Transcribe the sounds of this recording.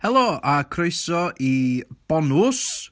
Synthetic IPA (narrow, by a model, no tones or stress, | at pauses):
hɛlˠɔakʰrojsɔʔib̥ɔnʊs